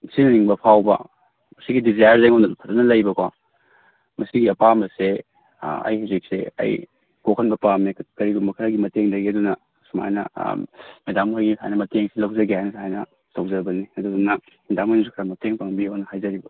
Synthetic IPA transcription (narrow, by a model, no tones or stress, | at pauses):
sinɐniŋbɐpʰawbɐ̰ | mɐsiɡidizajaɾzjŋanɐpʰɐtɐnɐlɐjbɐkwa̰ | mɐsiɡiɐpamɐse | ɐ̰jhizik̚sḛɐ̰j | kokʰɐnbɐpamikɐɾiɡumbɐkʰɐɾaɡimɐteŋdɐɡiɐdunɐ | suma̰jnɐ̰medamkʰajɡiisʰa̰jnɐmɐteŋsilɐwzɐɡiajnɐsʰajnɐ | tawzɐbɐniɐdudunɐ | indamɐnisukʰɾamɐteŋpaŋbinɐhajzɐɾibɐ